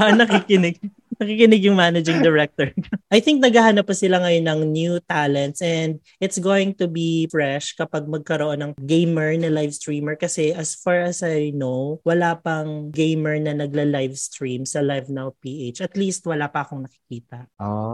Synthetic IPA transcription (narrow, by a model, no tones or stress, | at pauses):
nɐkikɪnɪɡ̚ | nɐkikɪnɪɡjʊŋmanɐd͡ʒɪŋd̪ɛɹɛk̚t̪ɔɹkʔɐjθɪ̃ŋk̚nɐɡahanɐpːɐsɪlaŋɐjonɐŋnjut̪alɛnt̪sʔɛnd̪̚ʔɪt̪sɡoːwɪŋt̪ubifɹɛʃkɐpɐɡ̚mɐɡ̚kɐɾoʔo̞nɐŋɡejmɛɹnɐlajvst̪ɹiːmɛɹkɐsɛʔɐsfaɹɐsajjnowwɐlaːpɐŋɡejmɛɹnɐnɐɡ̚lɐlajvst̪ɹimsɐlajvnaw̚piːʔejt͡ʃɐt̪liːst̪̚wɐlaːpɐʔɐko̞ŋnɐkɪ̥kiːt̪ɐʔʔo